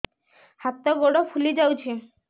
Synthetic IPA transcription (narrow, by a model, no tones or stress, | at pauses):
hat̪ːɔɡoɽopʰulid͡ʑawt͡ɕʰi